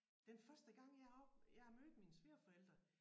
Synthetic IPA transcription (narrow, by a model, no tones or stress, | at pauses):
d̥enfɶɐsd̥əɡ̥ɑ̈ŋ̰jɑ̈ɪɒb̥jɑ̈ɪhɑ̈mød̥̩minəsʋe̝ɐfɒ̽el̰d̥ʁɐ